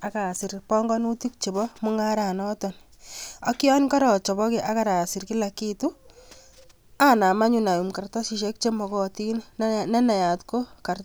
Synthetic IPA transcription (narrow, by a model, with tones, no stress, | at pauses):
a˨ka˨si˨ɾpɔ˦ŋɡɔ˦nu˦ti˦k̚t͡ʃe˨bɔ˦mu˦ŋa˦ɾa˨nɔ˦tɔ˨n | a˦ki˦ɔ˦nkɔ˦ɾɔ˨t͡ʃɔ˨βɔ˦ke˦ʔa˦ka˦ɾa˨si˨rki˦la˨ki˦tu˦ | a˦na˨ma˦ɲu˨na˨ju˨mka˨rtɔ˦si˨ʃ̬e˦k̚t͡ʃe˦mɔ˨kɔ˦ti˦nnɛ˦na˨ja˨tko˦ka˨r